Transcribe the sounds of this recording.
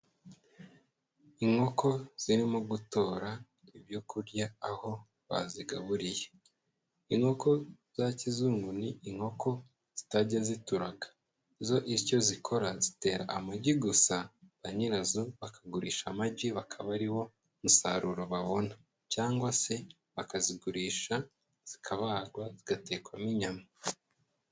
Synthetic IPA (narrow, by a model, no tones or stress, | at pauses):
iŋho̞ko̞z̥iɾimuɡuto̞ːɾa | ibjokuɾɟaːho̞ | βa̰ziɡaβuɾije | iŋo̞ko̞ | z̥acizuːŋɡuniiŋho̞ko̞ | z̥itaɟazituɾaɡḁ | izo̞ʔico̞zikʰo̞ɾazite̞ːɾa̰ʔamaɟiɡusaβaɲiɾazuβakʰaɡuɾiːʃamaɟiβakʰaβaɾiwo̞ | musaɾuɾo̞βaβo̞na | caːŋɡwase̞ | βakaziɡuɾiːʃa | z̥ikʰaβaːɾɡwaziɡate̞kwamiɲama